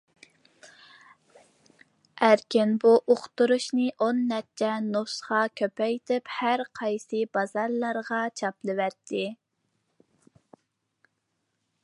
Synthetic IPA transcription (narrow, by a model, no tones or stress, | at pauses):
æɾkʲɪnbuʔoqt̪uɾuʃnɨʔonːɛt͡ʃʰːɛnosχɑkʲʰøpɛjt̪ʰɪphæɾqʰɑjsɨbɑzɑɾlˠɑɾʁɑt͡ʃʰɑplˠɨwæɾt̪ʰːɪ